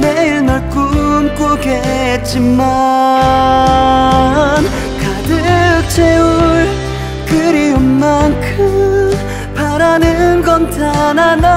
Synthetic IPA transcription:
neiɭnʌɭk͈umk͈oɡe | t̚t͡ɕ͈ima | n | kadɯt͡ɕʰeuɭ | kɯɾiummankʰɯ | paɾanɯnɡʌnt͡ɕanana

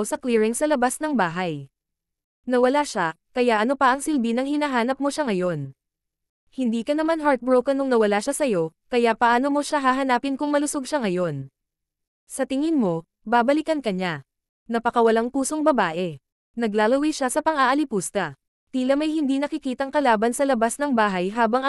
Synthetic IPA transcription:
wsɐkliɹɪŋsɐlɐbasnɐŋbaːɦɐj | nɐwɐlaʃa | kɐjaʔɐno̞pɐʔɐŋsɪlbinɐŋhɪnaɦaːnɐp̚mo̞ʃaŋɐjo̞n | hɪnd̪iːkɐnɐmanɦaɾt̪̚bɹowkɐnoŋnɐwɐlaʃasɐjo̞kɐjaʔpɐʔaːno̞mo̞ʃaɦaɦɐnaːpɪnkʊŋmɐlʊso̞ɡʃaŋɐjo̞n | sɐt̪ɪŋɪnmo̞ | baːbɐlɪkɐnkɐɲa | nɐpɐkɐwɐlaŋpuːsoŋbɐbaːʔɛ | nɐɡlaːlɐwɛjʃasɐpɐŋaʔɐlɪpuːst̪ɐ | t̪iːlɐmɐjhɪnd̪iːnɐkɪkiːt̪ɐŋkɐlaːbɐnsɐlɐbasnɐŋbaːɦɐjɦaːbɐŋɐ

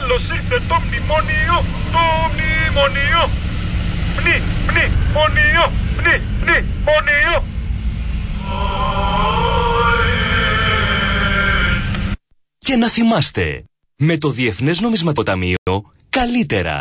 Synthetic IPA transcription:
losiɣt̪et̪omnimonio | t̪omnimonio | mnimnimoniomni | mni | monio | ce̞nɐθimɐst̪e̞̰ | me̞t̪o̞ðie̞θne̞zno̞mizmɐt̪ot̪ɐmio̞ | kɐlit̪e̞ɾɐ̰

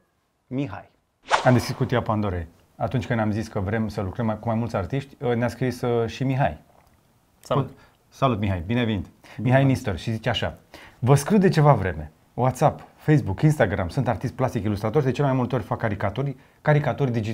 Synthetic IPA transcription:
miɦa̰j | amd̪eskɾi̥skut̪iapand̪oɾej | at̪unt͡ʃʲkɨnamziskəvɾe̞msəlukɾəmkumajmult̪sʲart̪iʃt̪ʲənaskɾisʃimiɦa̰j | salut̪miɦajbinevenit̪ | miɦajnist̪orʃizit͡ʃeaʃa̰vəskɾut̪d̪et͡ʃe̞vavɾe̞me̞ | wat̪sapfejsbukinst̪aɡɾa̰msunt̪art̪ist̪̚plast̪ikilust̪ɾat̪o̞rʃd̪e̞t͡ʃelemajmult̪eo̞rʲfakːaɾikat̪uɾ | kaɾikat̪uɾʲd̪id͡ʒi

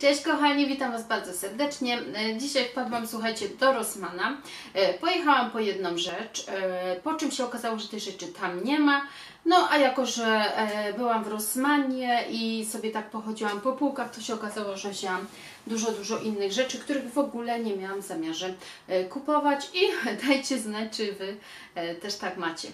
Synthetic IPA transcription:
t͡ʂɛɕt͡ɕkɔxaɲivʲit̪amvazbaɾd̪zɔsɛɾd̪ɛt͡ʂɲɛd͡ʑiɕajpad̪wamswuxajt͡ɕɛd̪ɔɾɔsmana | pɔjɛxawampɔjɛd̪̚nɔmʐɛt͡ʂpɔt͡ʂɘmɕɛɔkazawɔʐɛt̪ɛɣʐɛt͡ʂɘt̪ʰamɲɛma | nɔʔajakɔʐɛbɘwamvɾɔsmaɲɛʔisɔbʲjɛt̪ak̚pɔxɔd͡ʑiwampɔpuwkaxt̪ɔɕɛɔkazawɔʐɛɔʑawam | d̪uʐɔd̪uʐɔʔinːɘɣʐɛt͡ʂɘkt̪uɾɘɣvɔɡulɛɲɛmʲjawamzamʲjaʐɛ | kupɔvat͡ɕid̪ajt͡ɕɛznat͡ʂɘvɘ | t̪ɛʂt̪akmat͡ɕɛ

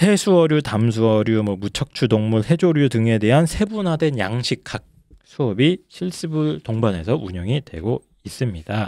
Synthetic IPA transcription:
sʰe̞sʰuʌɾjutams̬ʰuʌɾjumwʌmut͡ɕʰʌk̚t͡ɕʰudoŋmuɭhe̞d͡ʑoɾjudɯŋe̞de̞ɦansʰe̞bunɦade̞njaŋɕʰikʰak̚ | sʰuʌbiɕʰiɭs͈ɯbuɭtoŋbane̞̰sʰʌuɲʌŋidwe̞̰ɡo | is͈ɯmɲida

